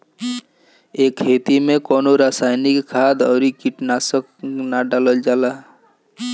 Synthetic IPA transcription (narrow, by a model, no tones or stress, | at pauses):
eːkʰːeːt̪imẽkɔːnoɾaːsaːjnikkʰad̪ɔːɾikiʈnaːsəknaɖaːləld͡ʒaːla